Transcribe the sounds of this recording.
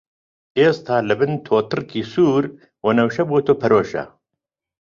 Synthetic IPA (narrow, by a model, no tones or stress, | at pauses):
eːst̪ʰaːlɐbɨnt̪ʰoːt̪ʰɨrkiːsuːɾ | wonɐwʃɐbut̪ʰopʰɐɾoːʃɐ̰